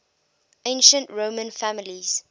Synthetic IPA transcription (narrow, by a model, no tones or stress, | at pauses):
ʔẽɪ̃nʃə̃ntɹoːmə̃nfæmɪliz̥